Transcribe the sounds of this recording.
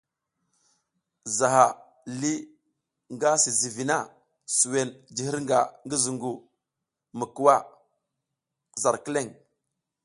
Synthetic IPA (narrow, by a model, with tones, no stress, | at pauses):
za˨ɦa˨ | li˦ | ŋɡa˦si˨zi˨vi˨na˦˨ | su˨we˨nd͡ʒi˨hi˦ɾŋɡa˨ŋɡi˦zu˨ŋɡu˨ | mə˨ku˨wa˦ | za˨ɾki˦le˦˨ŋ